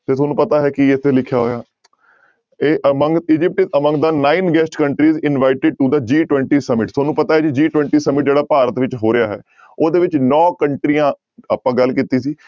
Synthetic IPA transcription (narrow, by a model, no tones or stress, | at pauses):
t̪eːt̪ʰoːnũːpət̪aːɦɛːkiɪt̪ʰeːlɪkʰːjaːɦo̰ːjaː | eːʔəməŋɡɪd͡ʒɪp̚ʈɪəməŋɡd̪aːnaːinɡɛsʈkəɳʈɾiːzɪnʋaːɪʈɪɖ̚ʈud̪əd͡ʒiːʈwɛ̃ːɳʈiːsəmɪʈt̪ʰoːnũːpət̪aːɦɛːd͡ʒid͡ʒiːʈʋɛ̃ɳʈiːsəmɪʈ̚d͡ʒeːɽaːpaːɾət̪ʋɪt͡ʃɦoːɾɪjaːɦɛ̰ː | oːd̪eːʋɪt͡ʃnɔːkəɳʈɾiːãː | aːpãːɡəlkiːt̪iːsiː